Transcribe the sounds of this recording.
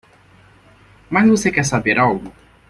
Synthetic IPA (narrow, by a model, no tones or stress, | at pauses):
mazvosekɛɾsabeɾʔawɡʊ